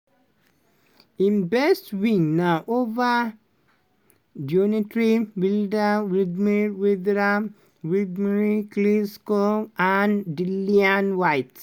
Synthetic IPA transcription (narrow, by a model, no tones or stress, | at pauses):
imbɛstwiŋnaʔova | donitɾiwildawid̪miwid̪ɾa | widmiɾikliskoandilianwajt